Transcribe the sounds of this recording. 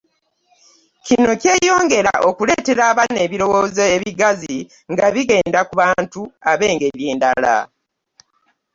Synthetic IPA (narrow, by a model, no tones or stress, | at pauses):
cino̞ceːjo̞ːŋɡe̞ɾaʔo̞kule̞ːte̞ɾaːβane̞ːβiɾo̞wo̞zeːβiɡazi | ŋɡaβiɡe̞ːndakuβaːntuaβe̞ːŋɡe̞ɾjeːndala̰